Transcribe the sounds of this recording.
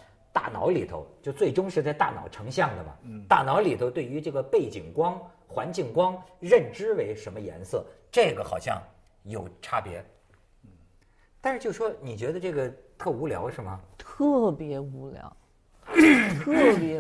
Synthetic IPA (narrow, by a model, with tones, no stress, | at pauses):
t̪a̰˥˩nɑ̰˧˥ʊli˨˩t̪ʰo̰˧ʊt͡ɕjo˥˧ʊt͡swe˥˩ɪʈ͡ʂʊ˥ŋʂɻ̩˥˧t͡sɪt̪a˥˩nɑ̰˨˩ʊʈ͡ʂʰɤ˧˥ŋɕjɑ˥˩ŋd̪ə˩mɐ̰˩t̪a˥˩nɑ˧˥ʊli˨˩t̪ʰo˧˥ʊt̪we˥˩ɪy˧˥ʈ͡ʂɤ˥˩ɡə˩pe˥˩ɪt͡ɕi˨˩ŋkwɑ˥ŋ | xwa˧˥nt͡ɕi˥˩ŋkwɑ˥ŋɻə˥˩nʈ͡ʂɻ̩˥we˧˥ɪʂə˧˥nmə˧jɛ̰˧˥nsɤ˥˩ | ʈ͡ʂɤ˥˩ɡə˩xɑ̰˨˩ʊɕjɑ̰˥˧ŋ | jo˨˩ʊʈ͡ʂʰa˥pjɛ̰˧˥ | t̪a˥˧ʂɻ̩˥˧t͡ɕjo˥˩ʊʂwɔ˥ni˨˩t͡ɕɥɛ˧˥d̪ə˧ʈ͡ʂɤ˥˩ɡə˩t̪ʰɤ˥˩u˧˥ljɑ̰˧˥ʊʂɻ̩˥˩mə̰˩t̪ʰɤ˥˩pjɛ˧˥u˧˥ljɑ̰˧˥ʊ | t̪ʰɤ˥˩pjɛ˧˥